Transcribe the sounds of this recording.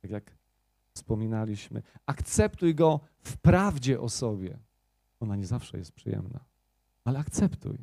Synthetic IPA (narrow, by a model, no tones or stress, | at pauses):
t̪akʲjak | fspɔmʲinalʲiɕmɘ̰akt̪sɛpt̪ujɡɔ | fpɾavd͡ʑɛʔɔsɔbʲjɛ̰ | ɔnaɲɛzafʂɛ̰jɛst̪̚pʂɨjɛ̰mna̰ | alɛakt̪sɛpt̪ṵj